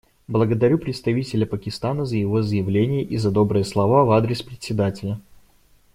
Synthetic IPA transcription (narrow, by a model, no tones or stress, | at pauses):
blˠəɡəd̪ɐɾʲupɾʲɪt̪st̪ɐvʲitʲɪlʲəpəkʲɪst̪anəzəjɪvo̞zəjɪvlʲenʲɪjəʔizɐd̪o̞bɾɨjəslˠɐvavad̪ɾʲɪspɾʲɪtʲsʲɪd̪atʲɪlʲə